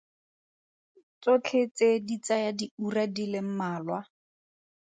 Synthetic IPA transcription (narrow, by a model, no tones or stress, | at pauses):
t͡sot͡ɬʰet͡sedit͡sajadiuradilɪm̩maːlwa